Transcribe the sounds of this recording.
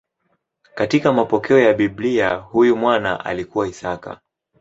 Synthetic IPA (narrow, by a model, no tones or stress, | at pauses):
katikamapɔkɛɔjaɓibliahujumwana̰ʔa̰likuwaisaka̰